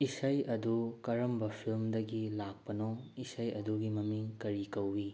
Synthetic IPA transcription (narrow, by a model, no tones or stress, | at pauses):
isɐjɐdukɐɾɐmbɐpʰilmdɐɡilak̚pɐnoisɐjɐduɡimɐmiŋkɐɾikɐwːi